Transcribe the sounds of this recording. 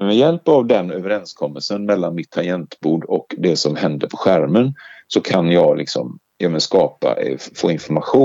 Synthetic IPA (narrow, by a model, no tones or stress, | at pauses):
mɛjɛlpavd̪ɛnøːvəɾɛnskʰɔmːəlsənmɛlːanmɪt̪ʰːajɛnt̪buːɖɔkd̪ɛsɔmhɛnd̪əɾpʰɔɧæɾmənsɔkʰanjɑːɡlɪksɔ̰m | jamənskɑːpa̰ʔfo̰ːɪnfɔɾmaɧuː